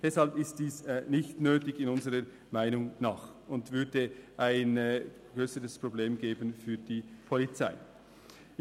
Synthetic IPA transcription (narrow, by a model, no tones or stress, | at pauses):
d̥ɛshalpɪst̚d̥iːsnɪçtnøːtɪçɪnʊnzəʁə | maɪnʊŋnaːχʊntvʏɐdəʔaɪn | ɡ̥ʁøːsəɾəspʁ̥obleːmɡeːbənfyːd̥iːpʰolit͡saɪ